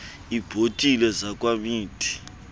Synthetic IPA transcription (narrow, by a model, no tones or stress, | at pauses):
ib̥ʱotʼilɛzakʼwamiːtʰʼi̥